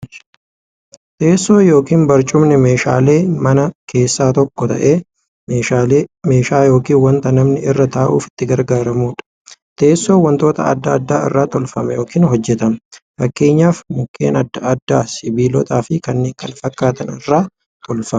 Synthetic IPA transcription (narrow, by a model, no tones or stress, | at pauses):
t̪e̞ːsːo̞ːjo̞ːkiːnbɐɾt͡ʃʼʊmnɛme̞ːʃa̰ːle̞ːmɐnɐkʰe̞ːsːaːt̪ɔkːɔt̪ɐ̰ʔeː | me̞ːʃaːleme̞ːʃaːjo̞ːkiːnwɐnt̪ɐnɐmnɪɪrːɐt̪aːʔṵːfɪ̥t̪ːɪɡɐɾɡaːɾɐmuːᶑɐ̥ | t̪e̞ːsːoːwɐnt̪o̞ːt̪ɐ̰ɐ̰d̪ːaːd̪ːaːɪ̰rːaːt̪ɔlfɐmɛjo̞ːkiːnɦɔd͡ʒːɛt̪ɐmfɐkːe̞ːɲːaːfmʊkʰːe̞̰ːnɐd̪ːɐɐd̪ːaːsɪbiːlɔt̪ʼaːfɪkɐnːe̞ːŋkɐnfɐkːaːt̪ɐnɪrːaː | t̪ɔlfɐmɐ